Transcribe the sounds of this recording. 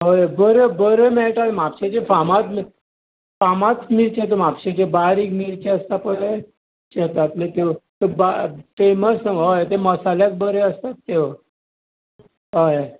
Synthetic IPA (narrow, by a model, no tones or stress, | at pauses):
ɦojbəɾebəɾemɛɭt̪almapɕet͡ɕefamat̪m | famat̪miɾt͡ɕet̪omapɕet͡ɕebaɾiːkmiɾt͡ɕeəst̪apəɽe | t͡ɕɛt̪at̪let̪eʋt̪əbafeməsəɡɦojt̪eməsalak̚bəɾeəst̪at̪ːeʋ | ɦoje